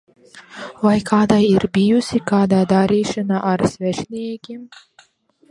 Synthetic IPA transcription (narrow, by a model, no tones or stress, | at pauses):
vajkʰaːd̪ajiɾbijusʲikaːd̪aːd̪aɾiːʃanaʔːɾsvɛʃnʲiɛkʲim